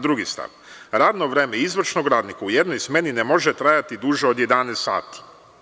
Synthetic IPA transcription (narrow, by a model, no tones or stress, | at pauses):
d̪ɾuɡist̪a̰ʋ | ɾaːd̪no̞ʋɾe̞ːmeizʋr̩ʃnoɡɾaːd̪nikaujed̪nojsme̞ninemo̞ʒet̪ɾajat̪id̪uʒeod̪je̞d̪anest̪ːa̰ːt̪i̥